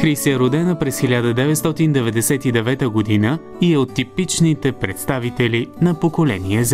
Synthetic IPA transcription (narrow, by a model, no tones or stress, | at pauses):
xɾisɛɾod̪ɛnəpɾɛsxilʲad̪əd̪ɛvɛt̪st̪ɔt̪ind̪ɛvɛd̪ɛsɛt̪id̪ɛvɛt̪əɡod̪inə | iɛot̪ːipit͡ʃnit̪ɛpɾɛt̪st̪avit̪ɛlinɐpokolɛ̰niɛz